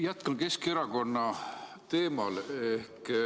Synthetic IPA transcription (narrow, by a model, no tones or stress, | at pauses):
jæt̪kɑnke̞skeɾɑko̞nːɑ | t̪e̞ːmɑle̞hk